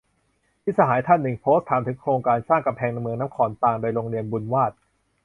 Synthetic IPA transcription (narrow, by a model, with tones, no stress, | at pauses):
pʰi˦˥sa˧ɦaː˩˦jt̪ʰa˥˩nːɯ˨˩ŋpʰoː˦˥st̪ʰːaː˨˦mt̪ʰɯ˨˩˦ŋkʰɾoː˧ŋkaː˧nsaː˥˩ŋka˧mpʰɛː˧ŋna˧mɯ˧əŋna˦˥mkʰɔː˩˦nt̪aː˧ŋdoː˧jɾoː˧ŋɾi˧ənbu˧nwaː˥˩t̪̚